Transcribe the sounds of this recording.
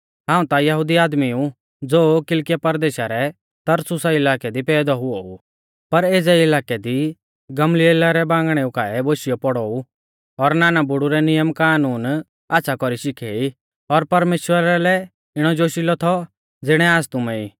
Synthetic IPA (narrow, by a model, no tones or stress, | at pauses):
ɦãːũt̪ajɐɦʊd̪iaːd̪miũ | d͡zoːkɪlkɪjapɐɾd̪eːʃaɾɛ | t̪ɐɾsʊsaɪlaːkɛd̪ipɛːd̪ɔɦʊɔu | pɐɾeːd͡zɛɪlaːkɛd̪i | ɡɐmlielaɾɛbãːŋɡɽ̃ɛukaːɛboːʃɪjɔpɔɽɔːu | ɔɾnaːnabʊɽuɾɛnɪjəmkaːnuːn | aːtːʃʰakɔɾiʃɪkʰeːi | ɔɾpɐɾmeːʃwəɾalɛ | ɪɽ̃ɔd͡ʒoːʃilɔt̪ʰɔ | d͡zɪɽ̃ɛaːd͡zt̪ʊmɛiː